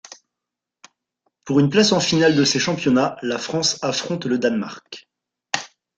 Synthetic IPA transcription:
puʁynplasɑ̃finald̪əseʃɑ̃pjɔnalafχɑ̃safχɔ̃t̪ləd̪anma̰ʁk

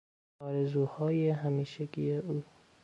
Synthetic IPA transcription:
ɒːɾezuːhɒːjeɦæmiːʃeɡijeʔuː

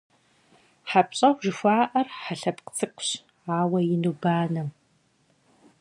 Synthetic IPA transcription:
ħap̚ɕʼɐwʒɪxʷaːʔɐrħaɬɐpqt͡sʰɨkʷʊɕ | aːwɐjɪnuːbaːnɐm

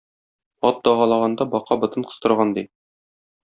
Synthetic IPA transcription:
ɒt̪̚d̪ɒʁɑlˠɑʁɑnd̪ɑbɒqɑbɤ̆t̪ɤɴqɤ̥̆st̪ɤ̆ɾʁɑnd̪i

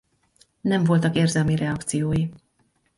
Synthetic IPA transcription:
nɛɱvo̞lt̪ɒkeːrzɛlmirʔɛɒkt̪sijoːji

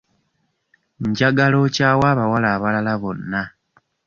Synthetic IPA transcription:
ɲɟaɡalot͡ʃawaβawalaβalalaβonːa

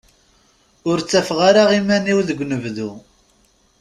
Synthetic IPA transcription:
ʊɾt͡sːæfʁaɾaʁimæniwðəɡʷːnəvðu

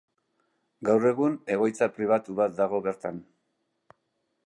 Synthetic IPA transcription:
ɡawre̞ɣune̞ɣ̞o̞jt͡sapɾiβ̞at̪uβat̪̚d̪aɣ̞o̞βe̞ɾt̪an

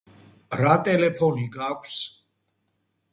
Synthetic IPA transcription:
ɾat̪ʼɛlɛpʰɔniɡakʷʰs

